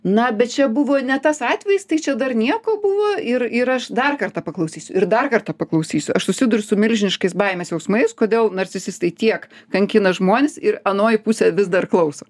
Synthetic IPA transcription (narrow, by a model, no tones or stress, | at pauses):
nɐbʲɛt̪t͡ʃʲɛbʊʋoːnʲɛt̪ɐsɑːt̪ʲʋʲɛjɪst̪ɐɪt͡ʃʲɛd̪ɐrnʲiɛkoːbʊʋoːɪɾɪɾɐʃd̪ɐrkɐrt̪ɐpɐklˠɐʊsʲiːsʲʊɪɾd̪ɐrkɐrt̪ɐpɐklˠɐʊsʲiːsʲʊɐʃsʊsʲɪd̪ʊɾʲʊsʊmʲɪlʲʒʲɪnʲɪʃkɐɪsbɐɪmʲeɪsjɛʊsmɐɪskoːd̪ʲeːlˠnɐrʲt͡sʲɪsʲɪst̪ɐɪt̪ʲiɛkkɐŋʲkʲɪnɐʒmoːnʲɪsɪɾɐnoːjɪpuːsʲɛʋʲɪzd̪ɐrklˠɐʊsoː